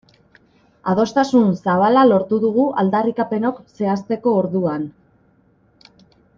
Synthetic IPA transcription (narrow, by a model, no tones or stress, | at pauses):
a̰ð̞o̞st̪asunsaβ̞alalo̞ɾt̪uðuɣ̞uʔald̪arikape̞no̞kse̞ast̪e̞ko̞ːɾðuan